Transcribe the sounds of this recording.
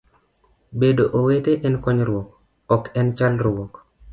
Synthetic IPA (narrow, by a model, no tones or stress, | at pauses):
bedoʔoweteʔɛnkɔɲɾwɔk | ɔkɛnt͡ʃalɾwɔk